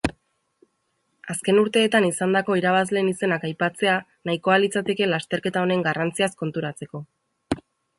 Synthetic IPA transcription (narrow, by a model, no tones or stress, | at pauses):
aske̞nuɾt̪e̞ːt̪anisand̪ako̞iɾaβ̞azle̞ːnise̞nakajpat͡se̞a | najko̞alit͡sat̪e̞ke̞last̪e̞ɾke̞t̪ao̞ne̞ŋɡarant͡siasko̞nt̪uɾat͡se̞ko̞